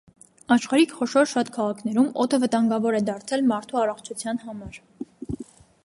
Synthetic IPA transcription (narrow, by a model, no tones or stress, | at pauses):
ɑʃχɑɾikʰχɔʃɔɾʃɑt̪kʰɑʁɑkʰnɛɾumɔt̪ʰəvət̪ɑŋɡɑvɔɾɛd̪ɑɾt͡sʰɛlmɑɾt̪ʰuɑrɔχt͡ʃʰut͡sʰjɑnhɑmɑɾ